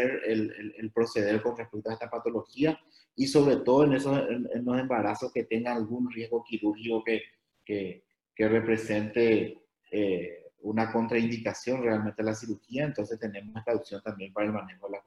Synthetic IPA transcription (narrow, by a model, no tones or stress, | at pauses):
eɾelelelpɾo̞se̞ð̞e̞ɾko̞nrehpek̚t̪oaest̪apat̪o̞lo̞xia | iso̞βɾe̞t̪o̞ðoenesosenḛnlo̞se̞mbaɾasoske̞t̪e̞ŋɡanalɣunrje̞zɣo̞kiɾuɾxiko̞ke̞ | ke | kere̞pɾe̞se̞nt̪e̞ | eunako̞nt̪ɾaind̪ikasjo̞nre̞alment̪ealas̬iɾuxiaent̪o̞nse̞st̪ene̞mose̞st̪auksjo̞nt̪ambje̞mpaɾaelmane̞xoðela